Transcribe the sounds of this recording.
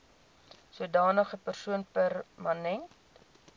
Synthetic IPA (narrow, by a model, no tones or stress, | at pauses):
suədɑːnəχəpərsuənpærmɐnɛnt